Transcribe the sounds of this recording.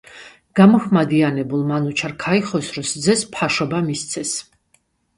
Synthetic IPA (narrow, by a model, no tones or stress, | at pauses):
ɡ̥amɔhmad̪ianɛbulˠmanut͡ʃʰaɾkʰaiχɔsɾɔsd̪zɛspʰaʃɔbamist̪sʰɛs